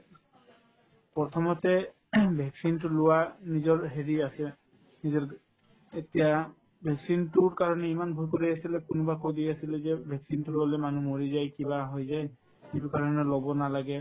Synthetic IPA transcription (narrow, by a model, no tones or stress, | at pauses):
pɔt̪ʰɔmɔtɛ | bʱɛksintʊlʊwanizɔɹɦeɹiasɛ | nizɔɹ | etija | bʱɛksintuɹkaɹɔnɛimanbʱujkoɹiasilɛkʊnʊbakojdiasilɛzɛbʱɛksintuɹɔlɛmanumoɹizajkibaɦojzaj | itukaɹɔnɛlɔbɔnalaɡɛ